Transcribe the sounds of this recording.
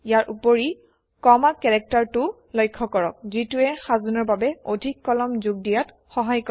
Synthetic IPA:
ijaɹʔupoɹi | kɔmakɛɹɛk̚taɹtʊ | lɔjkʰːɔkɔɹɔ̰k̚zituɛxazɔnɔɹbabɛodʱikːɔlɔmzuɡ̚dijat | xɔɦajkɔ

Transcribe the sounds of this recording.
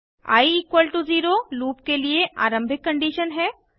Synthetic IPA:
a̰ːiiːkwəlʈuziːɾoluːpkelieʔa̰ːɾə̃mbʱɪkːɐ̃ɳɖiʃənɦɛː

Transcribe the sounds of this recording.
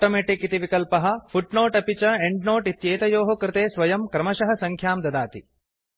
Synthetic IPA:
ʈoːmeːʈikːit̪iʋikɐlpɐɦɐ̆fʰuʈnoːʈɐpit͡ʃɐeɳɖnoːʈit̪jeːt̪ɐjoːɦɐkɾɪt̪eːsʋɐjɐmkɾɐmɐʃɐɦɐsɐŋkʰjaːmd̪ɐd̪aːt̪i

